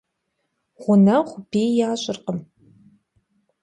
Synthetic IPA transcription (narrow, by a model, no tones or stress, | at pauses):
ʁʷʊnɐχʷʊpʰeːjjaːɕʼɪrqəm